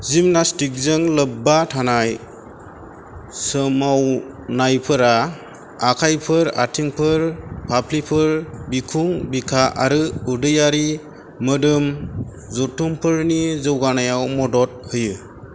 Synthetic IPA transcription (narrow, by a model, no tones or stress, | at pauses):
zimnastik̚zɯŋlɯbːatʰanaj | sɯmaw | najpʰɯɾaː | kʰajpʰɯɾatʰiŋpʰɯɾpʰapʰlipʰɯɾbikʰuŋbikʰaʔaɾɯudɯjaɾi | mɯdɯm | zɔtʰːumpʰɯɾnizɯwɡanajawmɔdɔt̚hɯjɯ